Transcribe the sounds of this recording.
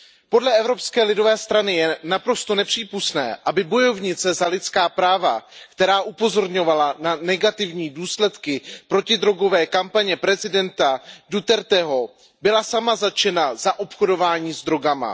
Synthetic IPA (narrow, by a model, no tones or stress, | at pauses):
po̞dlɛɛvɾo̞pskɛːlɪdo̞vɛːst̪ɾanɪjɛnapɾo̞st̪o̞nɛpr̝̥iːpust̪nɛ̰ːʔabɪbo̞jo̞vɲɪt͡sɛzalɪt̪t͡skaːpɾaːvakt̪ɛɾaːʔupo̞zo̞ɾɲo̞valananɛɡat̪ɪvɲiːduːslɛt̪kɪpɾo̞cɪd̪ɾo̞ɡo̞vɛːkampaɲɛpɾɛzɪdɛnt̪adut̪ɛɾt̪ɛɦo̞ | bɪlasamazat͡ʃɛnazaʔopxodo̞vaːɲiːzd̪ɾo̞ɡama̰